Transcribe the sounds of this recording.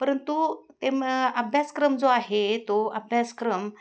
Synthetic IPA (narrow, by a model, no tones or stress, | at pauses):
pəɾənt̪ut̪eməbʱjaskɾəmd͡zoaɦet̪oəbʱjaskɾəm